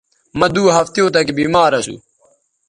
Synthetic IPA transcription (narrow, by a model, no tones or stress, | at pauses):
mɐd̪uːɦɐft̪jõːt̪ɐkbiːmaːɾɐsṵ